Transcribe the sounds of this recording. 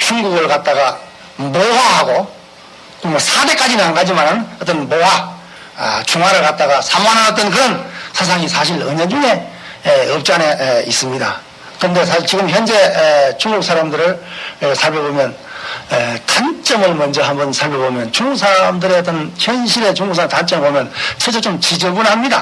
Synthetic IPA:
t͡ɕuŋɡuɡɯɭkat̚t͈aɡa | moɦaɦaɡo | komʌsʰade̞k͈ad͡ʑinaŋɡad͡ʑimanɯnʌt͈ʌnmowa̰ | t͡ɕʰuŋɦaɾɯɭkat̚t͈aɡasʰamanɦaɡat͈̚ʌnkɯɾʌnsʰas̬ʰaŋisʰaɕʰilɯɲed͡ʑuŋe̞ | ʌp̚t͡ɕ͈aneis͈ɯmɲida | kɯɾnde̞sʰaɕit͡ɕiɡɯmçjʌnd͡ʑe̞t͡ɕuŋɡuk̚s͈ʰaɾamdɯɾɯɭsʰaɭpʰjʌbomjʌn | tant͡ɕ͈ʌmɯɭmʌnd͡ʑʌɦambʌnsʰaɭpʰjʌbomjʌnt͡ɕuŋɡuk̚s͈ʰaɾamdɯɾeʌt͈ʌnçjʌnɕʰiɾet͡ɕuŋɡuk̚sʰatant͡ɕ͈ʌmebomjʌnt͡ɕʰʌt͡ɕʰʌt͡ɕomt͡ɕid͡ʑɯɡunhamɲida̰

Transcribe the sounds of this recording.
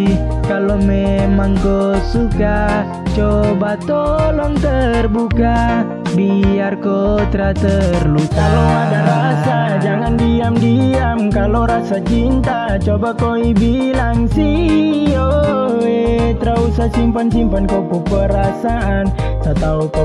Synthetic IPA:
kalomemaŋkosuka | t͡ʃobat̪olɔŋt̪ərbuka | biarkot̪ɾat̪ərlukaloadaɾasad͡ʒaŋandiamdiamkaloɾasat͡ʃint̪a | t͡ʃobakoibi | laŋsioet̪ɾausasimpansimpankokupəɾasaʔansat̪auk

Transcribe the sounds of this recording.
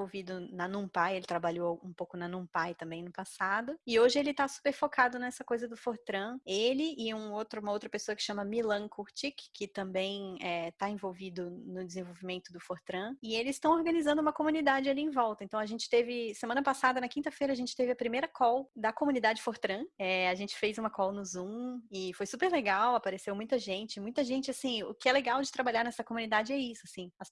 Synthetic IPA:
owvid̪ʊnɐnũpajelɪt̪ɾabaʎoũpowkʊnɐnũpajt̪ɐ̃mbẽj̃nʊpasad̪ʊɪoʒɪelɪt̪asu̥peɾfokad̪ʊnɛsɐkojzɐd̪ʊfoɾt̪ɾɐ̃elɪʔɪũowt̪ɾɐũmɐowt̪ɾɐpesoɐkɪ̥ʃɐ̃mɐmilɐ̃kʰuɾt͡ʃikːʰɪt̪ɐ̃mbẽj̃ɛt̪aẽvowvid̪ʊnʊd͡ʒɪzẽvowvimẽnt̪ʊd̪ʊfoɾt̪ɾɐ̃ɪelɪzst̪ɐ̃w̃oɾɡɐ̃nizɐ̃nd̪ʊũmɐkomũnid̪ad͡ʒɪaliẽvɔwˠt̪ɐẽnt̪ɐ̃w̃ɐʒẽnt͡ʃɪ̥t̪evɪsemɐ̃nɐpasad̪ɐnɐkĩnt̪ɐfejɾɐaʒẽnt͡ʃɪ̥t̪evɪɐpɾimejɾɐkɔwd̪ɐkomũnid̪ad͡ʒɪfoɾt̪ɾɐ̃ɛaʒẽnt͡ʃɪ̥fejzũmɐkɔwnʊzũɪfojsupeɾleɡawapaɾesewmũj̃t̪ɐʒẽnt͡ʃɪmũj̃t̪ɐʒẽnt͡ʃɪasĩʊ̰kɪɛleɡawd͡ʒɪt̪ɾabaʎaɾnɛsɐkomunid̪ad͡ʒɪɛisʊasĩɐs

